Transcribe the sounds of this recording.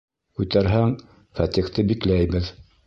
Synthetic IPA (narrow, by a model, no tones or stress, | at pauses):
kʉt̪æɾɦæŋ | fɑt̪iχt̪ɘbiklæjbɘð